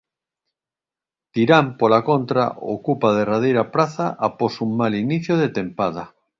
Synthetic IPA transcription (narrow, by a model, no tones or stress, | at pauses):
t̪iɾampolakont̪ɾa̰o̰kupaðerað̞ejɾapɾaθaʔaposuŋmaliniθjoð̞et̪empað̞a